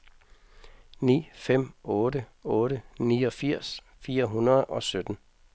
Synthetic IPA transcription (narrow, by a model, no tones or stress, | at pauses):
nḭːfem̰ɔ̽ːɾəɔ̽ːɾəniːɒ̽fiɐ̰s | fiːɐɦunɐð̩ˠɒ̽sød̥n̩